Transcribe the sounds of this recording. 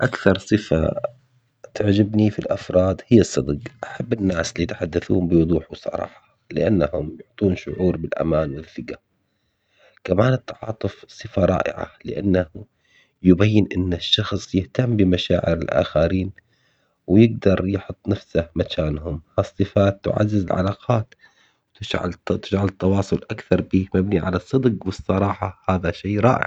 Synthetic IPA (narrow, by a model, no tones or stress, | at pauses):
ʔakθɑɾˤsˤɨfa̰ | t̪aʕd͡ʒabnifilʔafɾˤɑːd̪hɪjːɑsˤːɑd̪ɡʔaħabːɪnːaːsɪliːat̪ḁħad̪ːaθṵːmbɪwʊd̪ˤuːħwsˤɑ̰ɾˤɑ̰ːħɑ̥ | lɪʔanːahʊmjʊʕt̪ˤuːnʃʊ̰ʕuːɾbɪlʔa̰maːnwɪlθɪɡa | kamaːnɪt̪ːɑʕɑ̰ːt̪ˤʊfsˤɨfaɾˤɑ̰ːʔɪ̰ʕa̰lɪʔanːah | jʊbajːɪnʔɪnːaʃːɑxsˤjɪht̪amːbɪmaʃa̰ːʕɪ̰ɾɪ̰lʔa̰ːxaɾiːn | wjɪɡ̚d̪ɑɾˤjħʊt̪ˤːnafsahmakaːnhʊmhasˤːɨfaːt̪ːʊ̰ʕa̰zːɪzɪ̰lʕa̰laːqʰɑːt̪ | wɪd͡ʒʕa̰lt̪ɪd͡ʒʕalt̪ːɑwɑːsˤʊlʔakθɑɾˤbiːmabniʕalasˤːɨd̪qwɨsˤːɑɾˤɑːħɑhaːðaʃeːɾˤɑːʔɪ̰ʕ